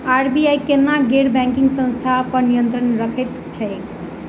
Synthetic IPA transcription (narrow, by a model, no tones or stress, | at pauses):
aɾbiajkennːaɡeɾbɛ̃ŋkiŋɡsə̃st̪ʰapənijənt̪ɾənɾəkʰet̪ | t͡ʃʰəjk